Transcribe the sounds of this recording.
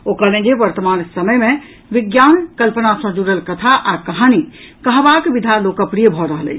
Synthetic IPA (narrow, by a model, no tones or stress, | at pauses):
okəlẽd͡ʒeʋəɾt̪əmansəməjmẽ | ʋiɡjankəlpənasə̃d͡ʒuɾəlkət̪ʰaʔakəɦani | kəɦbakbid̪ʱalokəpɾijəbʱɔɾəɦəlɛ̰t͡ʃʰ